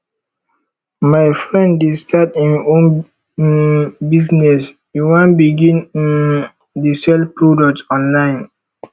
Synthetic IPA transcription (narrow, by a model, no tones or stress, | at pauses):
majfɹɛ̃nddestʰatĩnõn | biznɛs | uwãnbiɡĩnĩn | disɛlpɹodɔk̚tɔ̃nlãɪ̃n